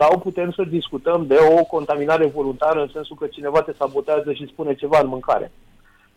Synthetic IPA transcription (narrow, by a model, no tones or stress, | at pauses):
sawput̪e̞msəd̪iskut̪əmd̪e̞o̞ko̞nt̪aminaɾe̞vo̞lunt̪aɾəɨnse̞nsukət͡ʃine̞vat̪e̞sabo̞t̪eazəʃispune̞t͡ʃe̞vaɨnmɨŋka̰ɾḛ